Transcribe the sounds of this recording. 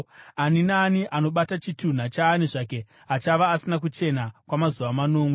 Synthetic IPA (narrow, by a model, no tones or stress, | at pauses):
aninaːniʔano̞ɓatat͡ʃitun̤at͡ʃaːniʐake̞ | at͡ʃaʋaːsinak̬ut͡ʃe̞nakwamazuʋamano̞ːmwe